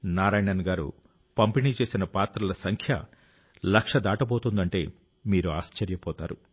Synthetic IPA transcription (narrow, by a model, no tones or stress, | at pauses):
naːɾaːjɳɐnɡaːɾṵ | pɐmpiniːt͡ʃe̞ːsinɐpaːt̪ɾɐlɐsɐŋkʰjɐ̰ | lɐkʂɐd̪aːʈɐpoːt̪und̪ɐɳʈe̞ː | miːɾuaːst͡ʃɐɾjɐpɔːt̪aːɾu